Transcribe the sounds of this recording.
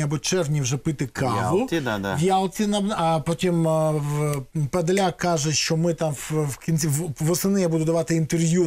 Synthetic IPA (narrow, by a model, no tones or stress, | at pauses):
ɐbɔt͡ʃɛrʋnʲiwʐɛpɪt̪ɪkʰɑlˠʊʋʲjalˠt͡sʲinɐɐpɔtʲim | pɐd̪lʲakɑʒɛʃt͡ʃɔmɪt̪amwwkʲinʲt̪ʲiʋɔsɪnɪjabud̪ʊd̪ɐʋɑt̪ɪint̪erʋju